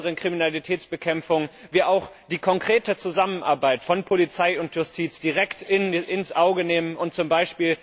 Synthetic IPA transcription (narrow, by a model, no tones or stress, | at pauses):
əʁənkʁ̥iminalitʰɛːt͡sb̥əkʰɛmfʊŋviːʔaʊxd̥iːkʰɔŋkʁ̥eːtət͡suzamənʔaɐbaɪtfɔnpʰolit͡saɪʊntjʊstʰiːt͡sd̥iʁɛktɪnʔɪnsʔaʊɡəneːmənʊnt̚t͡sʊmbaɪʃpiːl